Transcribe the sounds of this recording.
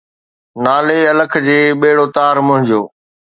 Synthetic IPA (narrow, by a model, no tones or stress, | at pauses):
naːleɐləkʰd͡ʑeːɓeːɪɽoːt̪aːɾmʊ̃ɦɪ̃ɲd͡ʑoː